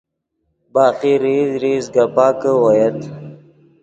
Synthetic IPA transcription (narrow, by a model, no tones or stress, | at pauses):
bɑːqiɾizɾizɡapɑːkəwojet̪